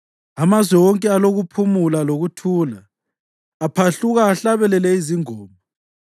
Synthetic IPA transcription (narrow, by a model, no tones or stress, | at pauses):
amazwɛwɔŋkʼɛaloɣupʰumulaloɣutʰuːlaː | pʰaɬuɣaːɬaβɛlɛlɛiziŋɔːmbʱɔ